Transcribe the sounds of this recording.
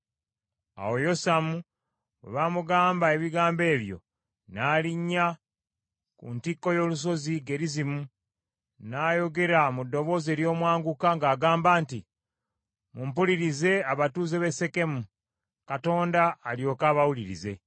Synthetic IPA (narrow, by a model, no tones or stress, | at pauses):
a̰wo̞jo̞samu | wḛβaːmuɡaːmbae̞βiɡaːmbe̞ːβjo̞̰ | naːliɲːa | kṵntikːo̞jo̞ːlus̬o̞ziɡe̞ɾizimu | naːjo̞ɡe̞ɾamudːo̞βo̞ːze̞ːɾjo̞ːmwaːŋɡukaŋɡaːɡaːmbaːnti | mumpuliɾize̞aβatuːzeβe̞se̞ke̞mu | kato̞ːndaːljo̞ːkaːβawuliɾḭze̞